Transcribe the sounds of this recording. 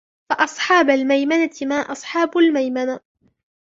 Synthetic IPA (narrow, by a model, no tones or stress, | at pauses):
faʔɑsˤħɑːbalmajmanat̪ɪmaːʔɑsˤħɑːbʊlmajmana